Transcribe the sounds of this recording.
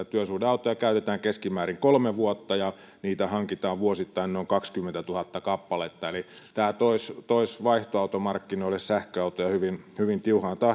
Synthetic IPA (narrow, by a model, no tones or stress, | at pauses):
æt̪yøsuːhdeɑˑut̪ojɑkæyt̪et̪æːŋkeskimæːriŋkolmeʋuot̪ːɑjɑ | niːt̪æhɑŋkit̪ɑːʋʋuosit̪ːɑinnoˑiŋkɑkskymːent̪æt̪uhɑt̪ːɑkɑpːɑlet̪ːɑelit̪æːlt̪oist̪oisʋɑiht̪oɑˑut̪omɑrkːinoˑilessæhkøɑut̪ojɑhyʋinhyʋint̪iuhɑnt̪ɑ